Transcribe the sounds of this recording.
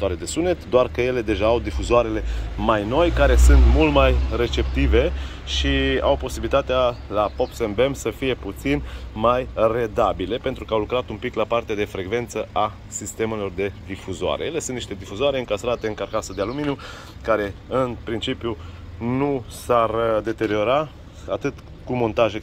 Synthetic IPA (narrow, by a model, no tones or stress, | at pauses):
oaɾed̪e̞sunet̪d̪oarkəje̞le̞d̪e̞ʒaːwd̪ifuzoaɾe̞le̞majno̞jkaɾe̞sɨnt̪mult̪majre̞t͡ʃe̞pt̪ive̞ | ʃia̰wpo̞sibilit̪at̪ealapo̞psembemsəfije̞put̪sinmajre̞d̪abile̞pe̞nt̪ɾukəawlukɾat̪umpiklapart̪ead̪e̞fɾe̞kve̞nt̪səʔa | sist̪e̞melo̞rd̪e̞d̪ifuzoa̰ɾejele̞sunt̪niʃt̪e̞d̪ifuzoaɾeɨŋkast̪ɾat̪e̞ɨŋkarkasəd̪ealuminju | kaɾe̞ɨnpɾint͡ʃipju | nusard̪e̞t̪e̞ɾio̞ɾa | at̪ɨt̪ | kumo̞nt̪aʒe